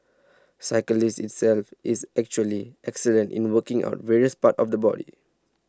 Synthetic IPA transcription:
saɪkəlistɪtsɛlfʔisɛk̚t͡ʃuəliʔɛksələ̃ntḭ̃nwəkĩŋa̰ʊtvɛɹiəspatɔfdəbɔ̰dḭ

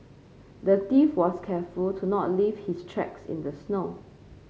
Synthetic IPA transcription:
dətifwɔskʰɛfultʰunɔ̰t̚livhistʰɹɛ̰ksɪ̰̃ndəsno

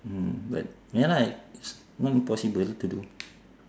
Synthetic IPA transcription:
ba̰t̚ | malaks | nɔtinpɔsibəlt̪udu

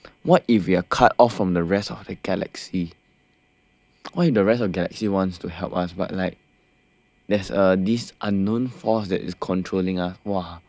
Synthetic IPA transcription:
wɔtifwiakʰatɔfɹɔ̃mdəɹɛstɔfdəɡɛlɛ̰ksi | wɔifdəɹɛstɔfɡɛlɛ̰ksiwɔ̃ntstuɦɛlpasba̰t̚laɪk̚ | dɛsədisʔãnːõnfɔsdɛ̰tḭskʰɔ̃ntʰɹolĩŋaswa

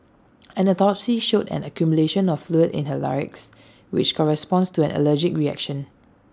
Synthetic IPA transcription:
ɛ̃nətɔpsiʃotɛ̰̃nəkjumuleʃə̃nɔffluədɪ̰̃nhəla̰ɹɪ̰ks | wɪ̰t͡ʃkʰɔɹɛspɔ̃nstuɛ̃nʔə̰ləd͡ʒɪkɹiɛ̰kʃə̃n

